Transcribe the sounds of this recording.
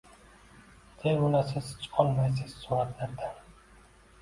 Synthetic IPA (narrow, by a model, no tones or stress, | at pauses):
d̪̥ʰeʊnasɪz̥t͡ʃʰqʰɒlˠmajsɪz̥ːʊɾat̪ʰlaɾd̪a